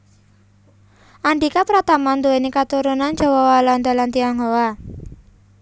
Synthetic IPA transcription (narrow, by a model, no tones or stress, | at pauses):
ʔaɳɖikapɾat̪amand̪uwenikat̪uɾunand͡ʒa̤wɔwaland̪ɔlant̪iaŋɔwa